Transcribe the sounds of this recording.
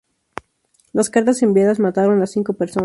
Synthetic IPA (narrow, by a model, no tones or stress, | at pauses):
laskaɾt̪ase̞mbjaðazmat̪aɾo̞nlasiŋko̞peɾson